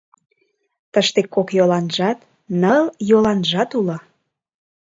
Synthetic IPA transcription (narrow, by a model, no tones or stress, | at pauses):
t̪əʃt̪ekːokjolɑnʒɑt̪ | nəljolɑnʒɑt̪ulŏ